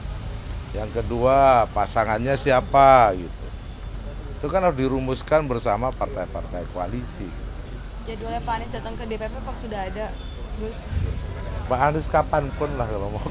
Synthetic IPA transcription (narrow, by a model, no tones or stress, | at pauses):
jaŋkəduapasaŋanɲasiapaɡit̪ṵ | it̪ukanadiɾumʊskanbərsamapart̪ajtpa̰rt̪ajkoa̰lisiɡit̪ | d͡ʒadiolɛpanɛsdat̪əŋkədepepepaksudaɦada | ɡʊs | paːdʊskapanpʊnlahkalawma